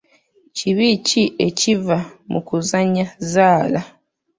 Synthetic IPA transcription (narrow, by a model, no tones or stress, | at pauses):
ciβicie̞civamʔṵkuzaɲazaːla